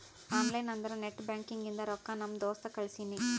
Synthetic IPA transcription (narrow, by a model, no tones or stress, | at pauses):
haːnlɐjnɐnd̪ɐɾɐneʈːbjaːŋkiŋɡind̪ɐɾɔkːanɐmd̪ɔːst̪ɐkɐɭisini